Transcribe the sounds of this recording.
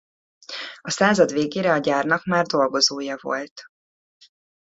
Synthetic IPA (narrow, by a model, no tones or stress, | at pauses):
ɒsaːzɒd̪veːɡeːɾɛɒɟaːrnɒkmaːrd̪o̞lɡo̞zoːjɒvo̞̰lt̪